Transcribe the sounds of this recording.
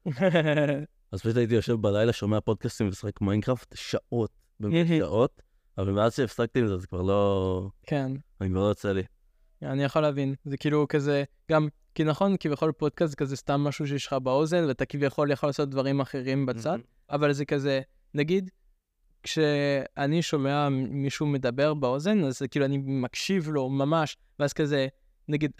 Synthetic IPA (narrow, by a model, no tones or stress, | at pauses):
azpaʃut̪ait̪̬ijoʃe̞vbalajlaʃomeapo̞d̚kast̪imvesḁχekmajnkʁaftʃaʔo̞t̚ | bemeʃaʔo̞t | avalmeazʃeːfsak̚t̪imlzeazekvaʁlo̞kenanikvaʁlojot͡seli | anijaχoleavinzekiːlukaze | ɡ̥am | kinaχo̞nkivjaχo̞lpod̚kastkazestamːaʃuʃ̬eiʃχabao̞ze̞nveatakivjaχo̞ljaχolːaːsot̚d̪vaʁimaχe̞ʁimbat͡sad | avalzekaze | naɡid | kʃeaniʃo̞meamiʃume̞dabe̞ʁbeo̞ze̞nazekiːluanimakʃivlo̞mamaʃ | veaz̥kaze | naɡid